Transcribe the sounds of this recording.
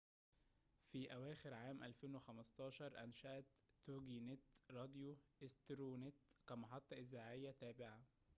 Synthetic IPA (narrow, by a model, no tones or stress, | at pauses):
fiːʔæwæːxɪɾʕaːmʔælfeːnwexæmɑst̪ˤɑːʃɑɾˤʔæ̰nʃæʔæt̪ː | oɡinet̪ɾˤɑd̪joʔɪst̪ɾoːnet̪kæmɑħɑt̪ˤːɑʔɪzːaːʕejːæt̪æːbɪʕa